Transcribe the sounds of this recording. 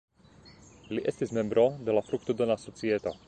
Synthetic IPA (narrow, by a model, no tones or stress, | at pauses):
liʔɛst̪izmɛmbɾɔd̪ɛlafɾukt̪ud̪ɔnasɔt͡siɛt̪ɔ